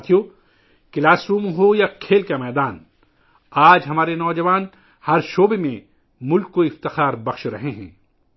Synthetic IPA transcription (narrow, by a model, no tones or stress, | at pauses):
t̪ʰijo | kɪlaːsɾuːmɦojakʰeːlkamɛːd̪aːn | aːd͡ʒɦɐmaːɾenɔːd͡ʒɐʋaːn | hɐɾʃoːbemẽ | mʊlkːoɪft̪ɪxaːɾbɐxʃɾɐɦeɦɛ̰̃ː